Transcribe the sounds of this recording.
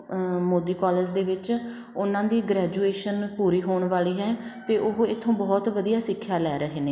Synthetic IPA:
moːd̪iːkɔːləɾd͡ʒd̪eːʋɪt͡ʃ | ʊnãːd̪iːɡɾɛːd͡ʒueːʃənpuːɾiːɦoːɳʋaːliːɦɛːt̪eːʔʊɦɪt̪ʰːõːbɔːt̪ʋəd̪ijaːsɪkʰːjaːlɛːɾəɦeːneː

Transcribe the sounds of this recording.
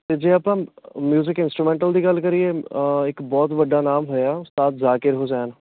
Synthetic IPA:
t̪eːd͡ʒeːəpãːmjuːzɪkɪ̃nsʈɾumẽɳʈəld̪iːɡəlkəɾieɪkbɔːt̪ʋəɖːaːnaːmɦoːjaʊst̪aːt̪zaːkɪɾɦod͡ʒaːnː

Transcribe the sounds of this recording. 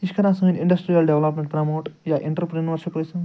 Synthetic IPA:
iʃkʰɐɾaːsɐŋiniɳɖɐsʈɾijɐlɖeʋlɐpmẽɳʈpɾɐmoːʈjaʔiɳʈɾpɾinʋɐɾʃɐpɐsɐŋ

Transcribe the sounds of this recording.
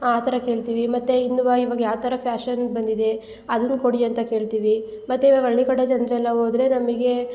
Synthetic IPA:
aːt̪ʰɐɾɐke̞ːɭt̪iːʋimɐt̪ːeinːuʋɐiʋɐɡɐjaːt̪ɐɾɐpʰjaːʃɐnbɐnd̪id̪e̞ | ɐd̪ɐnːko̞ɽiɐnt̪ɐke̞ːɭt̪iːʋi | mɐt̪ːeiʋaɡɐɐɭːikɐɽɐd͡ʒɐnd̪ɾɛlːɐɦoːd̪ɾe̞nɐmiɡe̞

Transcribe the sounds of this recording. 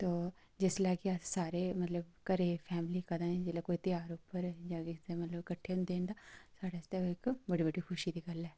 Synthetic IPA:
t̪oː | d͡ʒɪslaːkiassaːɾemɐt̪ləbkəɾeːpʰɛːmlikəd̪ãɛ̃d͡ʒɪlekoːit̪ɪjaːɾʊpːəɾjãːkɪemɐt̪ləbkəʈʰːeːʊ̃nd̪eːnd̪aːsaːɽest̪eoɪkbəɽiːbəɽixʰʊʃiːd̪iːɡɐlɛː

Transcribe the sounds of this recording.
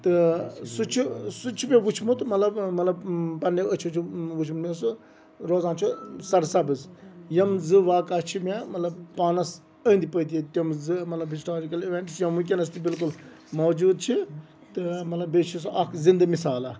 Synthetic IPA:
t̪ɨsut͡ʃʰisut͡ʃʰipʲeʋut͡ʃʰmut̪mɐt̪lɐbmɐt̪lɐbpɐnːeət͡ʃʰut͡ʃʰuʋut͡ʃʰmut̪mʲisu | ɾoːzãːnt͡ʃʰusɐɾsɐbɨzjɐmzɨʋaːkaːt͡ʃʰimʲamɐt̪lɐbpaːnɐs | əːnd̪ipəːt̪iet̪ʲɐmzɨmɐt̪lɐbɦisʈaːd͡ʒikɐliʋeɳʈsjɐmuk̬ʲɐnɐst̪ibilkul | mɐwd͡ʒuːd̪̚t͡ʃʰi | t̪ɨmɐt̪lɐbet͡ʃʰis̬ʔɐkʰzind̪ɐmisaːla

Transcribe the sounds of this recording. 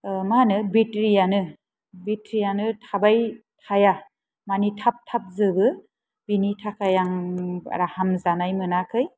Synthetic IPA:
manɯbitɾijanɯ | bitɾijanɯtʰabajtʰaja | manitʰap̚tʰap̚zɯbɯ | binitʰakʰajaŋa̰ɾahamzanajmɯnakʰɯj

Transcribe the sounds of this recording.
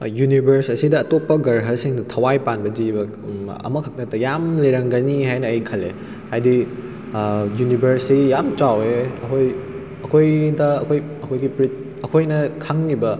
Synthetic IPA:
junibʱɐɾsɐsidɐːtopːɐɡɐɾɦɐsiŋdɐtʰɐwajpanbɐzibɐ | ɐ̰mɐkʰɐk̚nɐtɐjamleɾɐŋɡɐniɦajnɐɐjkʰɐle | hajdi | junibʱɐɾsijamt͡ʃaweɐkʰoj | ɐkʰojdɐːkʰoj | ɐkʰojɡipɾit̚ | ɐkʰojnɐkʰaŋnibɐ

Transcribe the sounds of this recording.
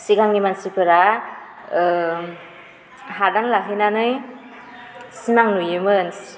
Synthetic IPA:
siɡaŋnimansipɯɾa | ɦadaŋlaɦinanɯj | sinaŋnujɯmɯns

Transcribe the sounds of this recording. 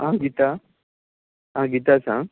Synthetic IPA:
ɦãɡit̪a | ɦãɡit̪asã

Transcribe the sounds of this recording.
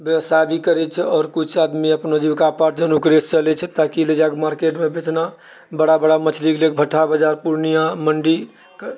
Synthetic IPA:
bjesabʱikəɾɛt͡ʃʰɛɔːɾkut͡ʃʰad̪miəpnod͡ʒibkapaʈ̚d͡ʒənukɾest͡ʃəlɛt͡ʃʰɛt̪akiled͡ʒakmaɾkeʈmebet͡ʃna | bəɽabəɽamət͡ʃʰliklekbʱəʈʰabəd͡ʒaɾpuɾnijãməɳɖi | k

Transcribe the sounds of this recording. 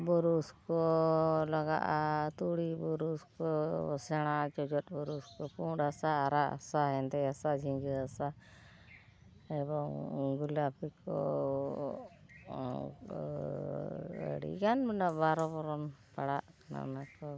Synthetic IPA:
bɔɾuskɔlaɡa̰ʔat̪uɽibɔɾuskɔsɛɽ̃at͡ʃɔd͡ʒɔt̪̚bɔɾuskɔpũɖasaːɾaʔa̰saɦɛnd̪ɛasad͡ʒiŋɡəasa | ɛbɔŋɡulapikɔ̰ | ə̰ɽḭkanbɛnaʔbaɾɔbɔɾɔnpaɽaʔkna̰nakɔ

